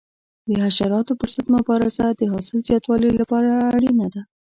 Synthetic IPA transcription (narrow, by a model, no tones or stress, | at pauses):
d̪əɦaʃaɾɑt̪opəɾsət̪mʊbɑɾasad̪əɦɑsɪlzjɑt̪wɑləlapɑɾaːɽinad̪a